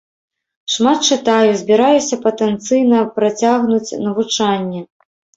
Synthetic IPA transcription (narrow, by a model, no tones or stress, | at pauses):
ʂmat̪̚t͡ʂɨt̪ajuzʲbʲiɾajusʲɐpɐt̪ɛnt̪sɨjnɐpɾat͡sʲaɣnut͡sʲnɐvut͡ʂanʲːɛ